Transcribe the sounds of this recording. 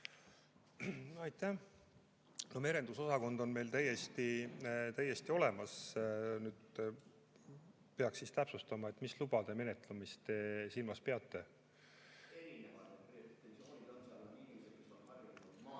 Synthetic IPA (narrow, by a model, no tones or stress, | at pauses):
ɑjt̪ːæ | no̞me̞ɾe̞nd̪uso̞sɑko̞nd̪o̞nme̞jlt̪æjːe̞st̪it̪æjːe̞st̪io̞le̞mɑsnyːd̪̥ | pe̞ɑksːist̪æpsust̪ɑmɑe̞t̪ːˑmislub̥ɑd̪̥e̞me̞ne̞t̪ˑlumist̪e̞silmɑspe̞ɑt̪ˑːe̞ | eɾinevɑeeoːnime̥ionɑru